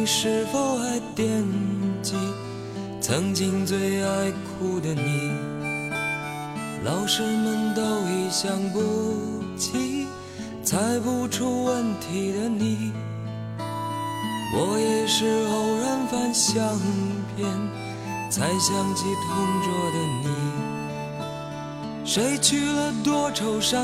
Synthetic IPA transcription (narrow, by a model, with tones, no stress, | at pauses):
ʂɻ̩˥˧fo˧ʊa˥ɪt̪jɛ˥˧nt͡ɕi˥ | t͡sʰɤ˧˥ŋt͡ɕi˥˧ŋt͡swe˥˧ɪa˥˧ɪkʰu˧˩d̪ə˨ni˨˩ | lʔɑ˨˩ʊʂɻ̩˥˧mə˧nt̪o˥˧ʊi˨˩ɕjɑ˧˥ŋpu˧ | t͡ɕʰi˧ | t͡sʰa˧˥ɪpu˧ʈ͡ʂʰu˧wə˥˧nt̪ʰi˨˩d̪ə˦ni˨˩ | wʔɔ˨˩jɛ˨˩ʂɻ̩˥˧˩o˨˩ʊɻə˧˥nfa˥˧nɕjɑ˥˧ŋpʰjɛ˥˧n | t͡sʰa˧˥ɪɕjɑ˥˧ŋt͡ɕʰi˧t̪ʰʊ˧˥ŋt͡swɔ˥˧˩d̪ə˧ni˨˩ | ʂe˧˥ɪt͡ɕʰy˥˩lə˨t̪wɔ˥ʈ͡ʂʰo˨ʊʂɑ˥